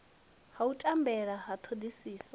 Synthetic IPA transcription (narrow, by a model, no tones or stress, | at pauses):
hautʼambɛɺaɦat̪ʰodisiːswa